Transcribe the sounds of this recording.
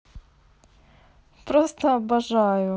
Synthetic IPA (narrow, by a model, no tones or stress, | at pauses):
pɾost̪əɐbɐʐajʊ